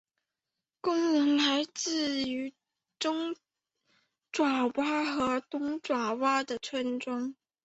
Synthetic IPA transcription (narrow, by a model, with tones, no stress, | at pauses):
kʊ˥ŋnə˧˥ŋla˧˥ɪt͡sɹ̩˥˩y˧˥ | ʈ͡ʂʊ˥ŋ | ʈ͡ʂwa˨˩wa˥xɤ˧˥t̪ʊ˥ŋʈ͡ʂwa˨˩wa˥d̪ə˨t͡sʰwə˥nʈ͡ʂwɑ˥ŋ